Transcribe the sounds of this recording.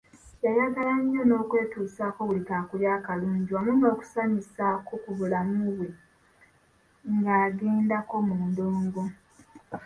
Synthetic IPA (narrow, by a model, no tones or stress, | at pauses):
jajaɡalaɲːo̞no̞ːkwe̞ːtuːsaːko̞βulikaːkuljaːkaluːɲɟiwamuɲoːku̥samisakokuβulamuβwe | ŋɡaːɡeːndako̞muːndoːŋɡo